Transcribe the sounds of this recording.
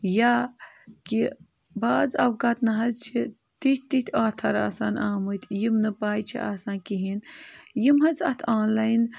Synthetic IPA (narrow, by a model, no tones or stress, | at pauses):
jaːki | baːzɐ̰wɡɐt̪nɐɦɐzt͡ʃʰi | t̪ih̚ʲt̪it̪ʰʲaːt̪ʰɐɾa̰ːsaːnaːmut̪ʲʰjimnɨpaːjt͡ʃʰḭʔa̰ːsaːnkiɦinjimɦɐt͡sɐ̰t̪ʰaːnlaːjn